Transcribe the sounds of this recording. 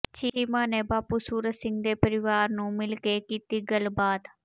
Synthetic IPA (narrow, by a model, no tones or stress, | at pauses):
t͡ʃiːmãːneːbaːpuːsuːɾət̪sɪ̃ŋɡ̚d̪eːpəɾɪʋaːɾnũːmɪlkekiːt̪iːɡəlbaːd̪